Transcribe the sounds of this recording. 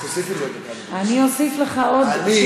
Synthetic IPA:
sifi | aniosifleχaod̪i

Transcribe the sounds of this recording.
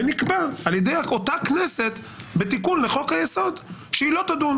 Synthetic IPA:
enikbaaljed̪ejaotaknese̞t̪ | be̞t̪ikunleχo̞khajeso̞d̪ʃeilo̞t̪ad̪un

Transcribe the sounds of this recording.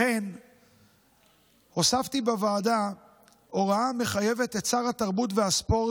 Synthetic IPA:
en | osaft̪ibavaːda | o̞ʁaame̞χaje̞ve̞t̪et͡saʁhat̪aʁbutvehaspo̞ʁ

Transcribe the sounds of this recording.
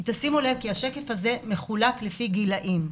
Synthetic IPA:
it̪asimulevkiaʃeke̞faze̞me̞χulaklefiɡilaʔim

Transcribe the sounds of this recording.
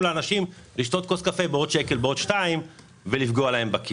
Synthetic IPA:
leanaʃimliʃt̪o̞t̪ko̞skafebeo̞d̪ʃe̞kelbeo̞d̪ʃtaim | velifɡoalahe̞mbaki

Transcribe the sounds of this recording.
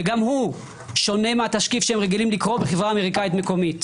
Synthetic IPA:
eɡamhu | ʃo̞ne̞meat̪aʃkifʃeemʁeɡilimlikʁo̞beχevʁaːme̞ʁikaitmeko̞mit

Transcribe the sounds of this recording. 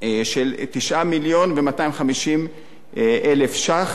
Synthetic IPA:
ʃelt̪iʃʔamiljo̞nvemataimχamiʃim | ʔelefʃaχ

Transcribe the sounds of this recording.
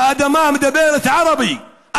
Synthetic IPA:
ad̪amaːmd̪abeːɾat̪ʕɑɾˤɑbi | ʔa

